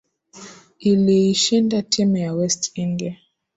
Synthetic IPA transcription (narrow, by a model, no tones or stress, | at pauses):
iliiʃindatʰimɛjawɛstiŋɡɛ